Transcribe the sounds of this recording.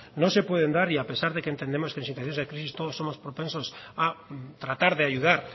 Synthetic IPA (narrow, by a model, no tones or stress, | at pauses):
nõnsepweð̞end̪aɾiapesaɾðekent̪end̪emoskensint̪waθjõzðekɾisist̪oð̞osːomospɾopẽnsosat̪ɾat̪aɾðeaʝuðaɾ